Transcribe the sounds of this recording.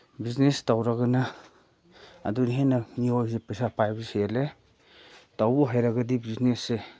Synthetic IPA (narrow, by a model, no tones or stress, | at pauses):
biznestawɾaɡana | a̰duniɦenamiojzepesapajbiseele | tawbuɦajɾaɡadibiznesːe